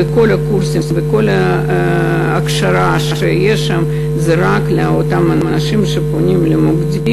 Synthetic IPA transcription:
eko̞lakursibeko̞la | akʃaɾaʃaʃejeʃam | zaɾakleaot̪amaanaʃimʃeponʲimlemoɡd̪i

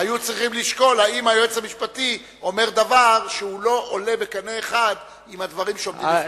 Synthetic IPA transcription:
ajut͡sʁiχimliʃko̞laimhajoet͡shamiʃpati | o̞me̞ʁd̪avaʁʃeuloʔole̞bekaneːχad | imad̪vaʁimʃeomdim

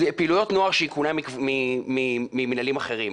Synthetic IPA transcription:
zɛpiːlujo̞t̪no̞aʁʃeikunamimimimimenalimaχe̞ʁim

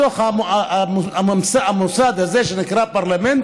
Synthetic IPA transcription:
oχa | ammsaamusad̪azeʃenikɾapaʁlament̪

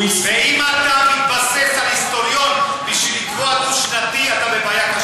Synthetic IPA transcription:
ifeimat̪amit̪̚basefalist̪o̞ɾjo̞n | biʃvilikvoat̪uʃnat̪iat̪abevajaka

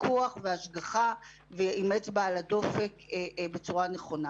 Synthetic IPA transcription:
kuaχveaʃɡaχa | veʔimet͡sbaalado̞fe̞kebe̞t͡suʁaneχo̞na

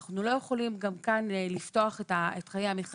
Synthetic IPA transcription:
χnulo̞je̞χo̞limɡamkanlifto̞aχetaetχajeamiχ

